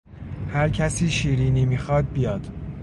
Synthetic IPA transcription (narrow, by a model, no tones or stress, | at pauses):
hæɾcʰæsiːʃiːɾiːniːmiːxɒːd̪̚bijɒːd̪̥